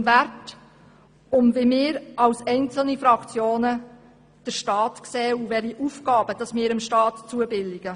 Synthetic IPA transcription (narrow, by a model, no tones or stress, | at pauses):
mvært | ʊmvemɪːɾɑwsɛɪnt͡sl̩nifɾɑkt͡sjoːnə | d̥əɾʃtɑːtksɛːuvɛɾiʔuːfɡ̥ɑːbəd̥ɑsmɪːɾəmʃtɑːtt͡suəbɪldɪɡ̥ə